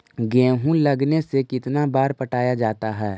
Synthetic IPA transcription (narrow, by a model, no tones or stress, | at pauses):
ɡɛ̃ːɦũlɐɡnesekɪt̪nabaːɾpɐʈaːjad͡ʒaːt̪aɦɛː